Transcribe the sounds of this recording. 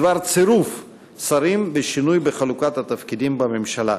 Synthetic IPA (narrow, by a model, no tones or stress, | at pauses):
vaʁt͡seɾuf | t͡saɾimbeʃinujbeχalukat̪hat̪afkid̪imbame̞mʃala̰